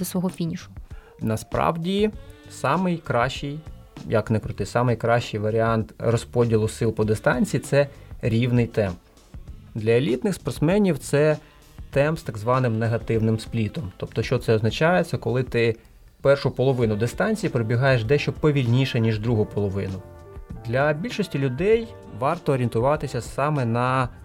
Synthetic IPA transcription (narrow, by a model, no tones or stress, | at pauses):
d̪ɐsʋɔɦɔfʲinʲiʃʊ̥ | nɐspɾɑ̰wdʲisɑmɪjkɾɑʃt͡ʃɪj | jɐknɛkɾʊt̪ɪsɑmɪjkɾɑʃt͡ʃɪjʋɐɾʲɪɑnt̪rɔspɔdʲilˠʊsɪlˠpɔd̪ɪst̪ɑnʲt͡sʲijit̪sɛɾʲiwnɪjt̪ɛmp | d̪lʲɐelʲit̪nɪxspɐrt̪smɛnʲiwt̪sɛ | t̪ɛmpst̪ɐɡzʋɑnɪmneɦɐt̪ɪwnɪmsplʲit̪ɔmt̪ɔp̚t̪ɔʃt͡ʃɔt̪sɛɔznɐt͡ʃɑjet̪sʲːɐkɔlˠɪt̪ɪ | pɛrʃʊpɔlˠɔʋɪnʊd̪est̪ɑnʲt͡sʲijipɾɔbʲiɦɑjeʃd̪ɛʃt͡ʃɔpɔʋʲilʲnʲiʃɛnʲiʒd̪ɾuɦʊpɔlˠɔʋɪnʊ | d̪lʲɐbʲilʲʃɔsʲtʲilʲʊd̪ɛj | ʋɑrt̪ɔːɾʲint̪ʊʋɑt̪ɪsʲɐsɑmɛnɐ